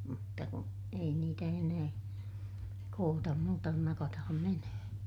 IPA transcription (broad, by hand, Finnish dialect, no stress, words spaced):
mutːɑ ku ei niːtæ enæː koːtɑm muːtɑ kun nɑkɑtɑhɑm menøhøn̞